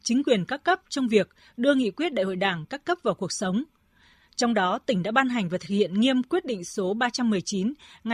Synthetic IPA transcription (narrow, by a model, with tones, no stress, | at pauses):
t͡ɕï˨˦ŋ̟kwi˨˩ənkaː˦˥kːə˦˥p̚t͡ɕɔ˧wŋ͡mvi˨˩ək̚ | ɗɨ˧əŋḭ˧˨kwət̚ɗa̰ː˧˨ho̰˧˨jɗaː˧˩ŋkaː˦˥kːə˦˥p̚vaː˨˩wku˨˩ək̚sə˨˦wŋ͡m | t͡ɕɔ˧wŋ͡mɗɔ˨˦t̪ï˧˩ŋ̟ɗa̰ː˧˥ɓaː˧nɦa˨˩jŋ̟vaː˨˩t̪ʰɨ̥˨˩k̚hḭ˧˨ənŋi˧əmkwi˦˥ət̚ɗḭ˧˨ŋ̟so˨˦ɓaː˧t͡ɕa˧mːɨ˨˩əjt͡ɕi˨˦nŋ˨